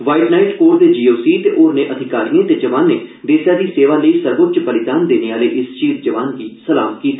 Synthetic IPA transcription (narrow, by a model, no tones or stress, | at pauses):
ʋaːiʈnaːɪʈkoːɾd̪eːd͡ʒiːoːsiːt̪eʔoːɾneʔəd̪ʱɪkaːɾijẽt̪ed͡ʒɐʋaːnːeːd̪eːsjaːd̪iːseːʋaːləisəɾbʊt̪t͡ʃbəlɪd̪aːnd̪eːneaːleʔɪst͡ʃiːzd͡ʒɐʋaːnkiːsəlaːmkiːt̪ʰː